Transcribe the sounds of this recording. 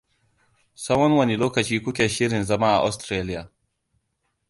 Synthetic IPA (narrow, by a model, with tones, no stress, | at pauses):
sɐ˦wɐ˦nwɐ˦ni˨loː˦kɐ˨t͡ʃiː˦kʷʊ˦kʲeː˨ʃɪ˦ɾɪ˨nzɐ˦ma˦ʔa̰˨ʔa̰˦stɾeː˦lɪ˦jaː˨